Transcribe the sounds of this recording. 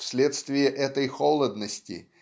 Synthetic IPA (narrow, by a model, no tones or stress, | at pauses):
fsʲlʲet̪st̪vʲɪjəʔɛt̪əjxolˠəd̪nəsʲtʲɪ̰